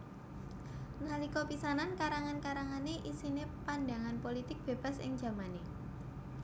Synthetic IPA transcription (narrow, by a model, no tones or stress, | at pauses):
nalikɔpisanankaɾaŋankaɾaŋaneʔisinepanɖa̤ŋanpolit̪ɪk̚b̥e̤b̥a̤sɪ̰ŋ̥d͡ʒ̥a̤mane